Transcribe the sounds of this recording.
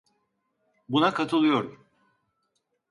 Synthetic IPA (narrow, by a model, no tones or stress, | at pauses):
bunakʰat̪ʰɯlˠɯjo̞ɾum